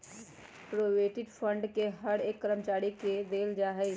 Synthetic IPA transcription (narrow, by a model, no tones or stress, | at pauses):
pɾoːʋeːʈɪɖpʰə̃ɳɖkeɦəɽeːkːəɾəmt͡ʃaːɾiked̪eːld͡ʒaːɦɛ